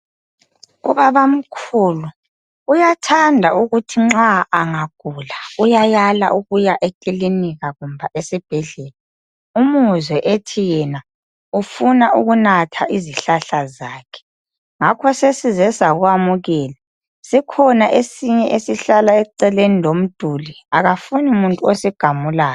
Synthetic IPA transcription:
ṵβaβam̩kʰuːlu | ujatʰandʱauɣutʰiŋ͡ǁaʔːŋaɡ̥ʱulaujajala̰ʔuɣujaʔekʼiliniɣaɣumbʱaʔesib̥ʱɛɮɛːla | umuzwɛʔetʰijɛna | ufunaʔuɣunatʰaʔiziɬaɬazaːkʰɛ̥ | ŋakʰɔsesizɛsaɣwamuɣɛːla | sikʰɔnaʔesiɲɛʔesiɬalaɛǀɛlenilom̩d̥ʱuli | aɣafuniumuntʼuosɛɡ̥ʱamulaːjɔ

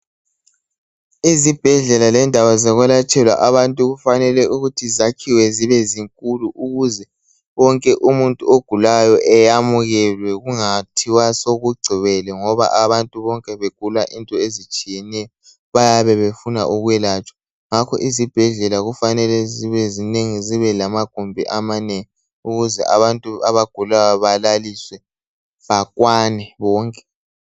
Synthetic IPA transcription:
izib̥ʱɛɮɛlalɛndʱawazɛɣwɛlat͡ʃʼɛlwa̰ʔaβantʼuɣufanɛlɛʔuɣutʰizakʰiwɛziβɛziŋkʼuluʔuɣuzɛ | wɔŋkʼɛʔumuntʼuoɡ̥ʱulajɔʔɛjamuɣɛlwɛɣuŋatʰiwasoɣuɡ͡ǀʱiβɛlɛŋɔβa̰ʔaβantʼuβɔŋkʼɛβeɡ̥̚ʱulaʔintʼɔezit͡ʃʼijɛnɛjɔ | βajaβɛβefuna̰ʔuɣwɛlat͡ʃʼɔ̥ | ŋakʰɔ̰ʔizib̥ʱɛɮɛlaɣufanɛlɛziβɛzineŋiziβɛlamaɡ̥ʱumbʱiʔamaneŋi | uɣuzɛ̰ʔaβantʼuaβaɡ̥ʱulajaβalaliswɛ | βakʼwanɛβɔːŋkʼɛ̥

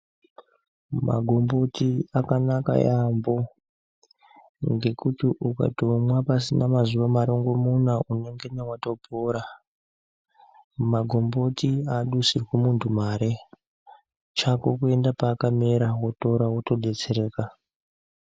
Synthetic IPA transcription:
ma̰ɡʱo̞mbo̞tiakanaka̰jambo̞ | ŋɡe̞kutiʔuka̰tomwapasinamazuʋamaɾo̞ŋɡo̞munaʔune̞ŋɡe̞newato̞pʰoːɾa | maɡʱo̞mbo̞tiaɗusirwemuntʰumaɾe̞ | t͡ʃakokue̞ndapaːkameɾawo̞to̞ɾawoto̞dʱe̞t͡se̞ɾe̞ːka

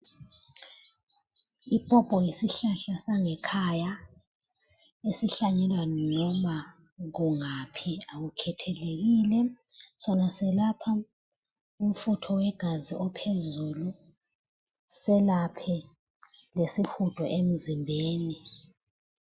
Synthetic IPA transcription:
ipʼɔb̥ʱʼɔjisiɬaɬasaŋɛkʰaja | esiɬaɲɛlwannɔma | ɣuŋapʰiaɣukʰɛtʰɛleɣilɛ | sɔnasɛlapʰa | um̩futʰɔwɛɡ̥ʱaziʔɔpʰezulu | sɛlapʰɛ | lesixud̥ʼʱɔʔem̩zimbʱeːni

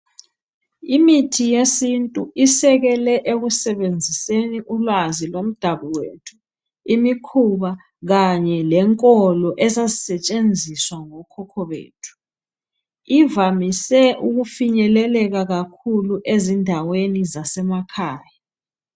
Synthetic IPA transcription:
imitʰijesintʼuʔisɛɣɛlɛʔeɣusɛβend͡zʱiseniʔulwazilom̩d̥ʱaβuwetʰu̥ | imikʰuβa | ɣaɲɛlɛŋkʼɔlɔʔɛzazisɛt͡ʃʼend͡zʱiswaŋɔkʰɔkʰɔβḛːtʰu̥ | ivamisɛʔuɣufiɲɛlɛlɛɣaɣakʰuluʔezindʱawenizasɛmakʰaːja

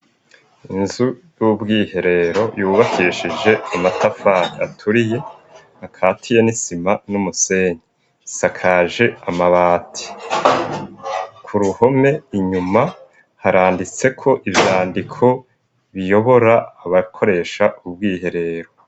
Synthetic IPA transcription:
inzujubɡiːhe̞ɾe̞ɾo̞juːβakʰiʃid͡ʒe̞amatafaɾiatʰuɾije̞ | akʰaːtʰije̞nisimanumuse̞ːɲe | sakʰaʒe̞amaβaːtʰi̥ | kʰuɾuho̞me̞iɲuma | haɾaːndit͡se̞kʰo̞ʔivjaːndikʰo̞ | βijo̞βo̞ɾaːβakʰo̞ɾe̞ʃaʔub̚ɡiːhe̞ɾe̞ːɾo̞

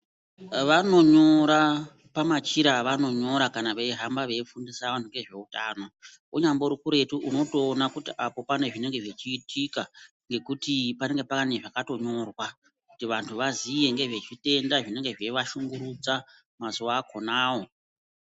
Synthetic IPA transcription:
ʋano̞ɲo̞ɾa | pamat͡ʃiɾaʋano̞ɲo̞ɾakanaʋeɦambaʋe̞ifundisaʋantʰuŋɡe̞ʐe̞utaːno̞ | uɲamboɾukuɾe̞tuʔuno̞to̞ːnakutiʔapo̞pane̞ʐine̞ŋɡe̞ʐe̞t͡ʃiːtʰika | ŋɡe̞kutipane̞ŋɡepakaneʐakato̞ɲo̞rwa | kutiʋantʰuʋazije̞ŋɡe̞ʐe̞t͡ʃite̞ndaʐine̞ŋɡe̞ʐe̞ʋaʃuŋɡuɾud͡za | mazuʋaːkʰo̞naːwo̞

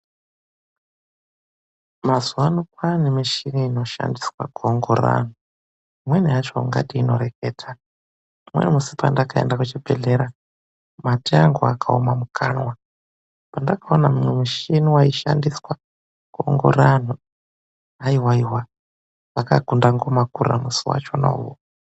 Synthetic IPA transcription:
mazuwanukwanimiʃiniino̞ʃa̰ndiswa̰kuoŋɡo̰ɾa̰n̤u | mweniɦat͡ʃo̰ŋɡa̰tiino̞ɾekʰeːtʰa | imwenimusipa̰ndakaḛndakut͡ʃibʱeɮeɾa | matiaŋɡuakʰaomamukʰanwa | pandakaonamimwemiʃiniwaiʃa̰ndiswa | kuo̰ŋɡo̰ɾan̤u | aiwaiwa | βakaɡʱundaŋɡomakura̰musiwa̰t͡ʃona̰uwo̰

